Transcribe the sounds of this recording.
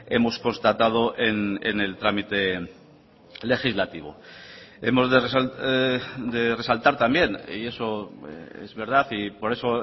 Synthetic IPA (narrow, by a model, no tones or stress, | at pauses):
e̞mo̞sko̞nst̪at̪að̞o̞ʔenḛne̞lt̪ɾamit̪e̞ | le̞xizlat̪iβ̞o̰ | e̞mo̞zðeres | d̪e̞re̞salt̪aɾt̪ambje̞nḭe̞so̞eḛzβe̞ɾðaθipo̞ɾe̞so̞